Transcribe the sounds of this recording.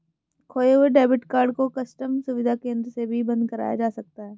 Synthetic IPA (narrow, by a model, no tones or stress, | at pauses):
kʰoːeɦʊeɖɛːbɪʈkaːɾɖkokɐsʈəmsʊʋɪd̪ʱakẽːnd̪ɾəsebʱibɐ̃nd̪kɐɾa̰ːja̰d͡ʒaːsɐk̚t̪aɦɛː